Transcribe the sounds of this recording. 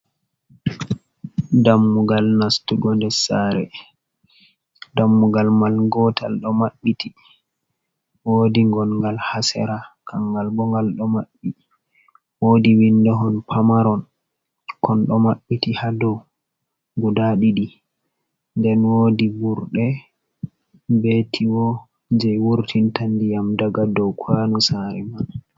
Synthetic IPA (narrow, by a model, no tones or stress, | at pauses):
damːuɡalnastuɡɔndɛsaɾɛ̰ | damːuɡalmalɡɔtʰa̰lɗɔmaɓːiti | wodiŋɡɔnŋɡalhasɛ̰ɾakʰaŋɡalbɔŋɡalɗɔmaɓːi | wodiwindɔɦɔnpʰamaɾɔn | kʰɔnɗɔmaɓːitihadɔw | ɡudaɗiɗi | ndɛnwodibuɾɗɛ | betʰiwɔ | d͡ʒɛjwuɾtʰintandijamdaɡadɔwkʰwanɔsaɾɛman